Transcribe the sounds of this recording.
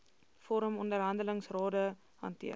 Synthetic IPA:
fɔɾəmɔndərɦɐndələŋsrɑːdə | ɦɐ̰ntḭə

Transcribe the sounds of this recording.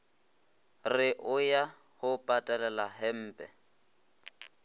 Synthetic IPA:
rɪʔʊja | hʊpʼatʼalɛlaɦɛm̩ːpʼɛ

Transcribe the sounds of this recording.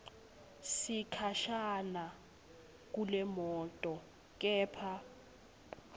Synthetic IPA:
sikʰaʃana | k̬ʼulɛmɔːtʼɔ | k̬ʼɛːpʰa

